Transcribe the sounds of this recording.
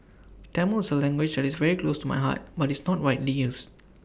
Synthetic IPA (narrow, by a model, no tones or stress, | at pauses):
tɛ̃məlsəlɛ̃ŋɡwɪd͡ʒdɛtisvɛɹiklostuma̰jɦa̰t̚batisnɔt̚ɹaɪtlijus